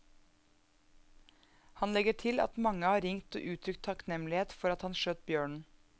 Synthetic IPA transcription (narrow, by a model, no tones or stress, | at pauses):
hɑnlɛɡəʈʰɪlɑ̰t̪mɑŋəhɑːɾɪŋt̪o̰ːʔʉːt̪ʰɾʏkt̪ʰɑknɛmlɪheːt̪fɔɾɑt̪hɑnʃøːt̪̚bjøːɳɳ̩